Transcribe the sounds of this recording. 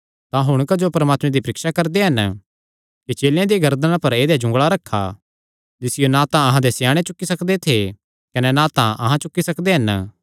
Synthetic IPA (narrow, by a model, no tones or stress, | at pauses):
t̪ãɦʊɽ̃kad͡ʒopɐɾəmaːt̪mẽd̪ipɐɾɪkʃakɐɾd̪eɦɐn | kit͡ʃeːljãd̪iɡɐɾd̪əñãpɐɾeːd̪ed͡ʒʊ̃ŋɡɭaɾɐkʰːa̰ | d͡ʒɪsɪjonãt̪ãɐɦãd̪esjaːɽ̃et͡ʃʊkːisɐkd̪et̪ʰe | kɐnɛnãt̪ã̰ʔɐ̰ɦãt͡ʃʊkːisɐkd̪eɦɐn